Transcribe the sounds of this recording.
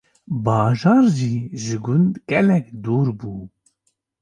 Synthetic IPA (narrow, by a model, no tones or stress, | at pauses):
bɑːʒɑːɾʒiːʒɨɡʊnd̪ɡɛlɛkd̪uːɾbuː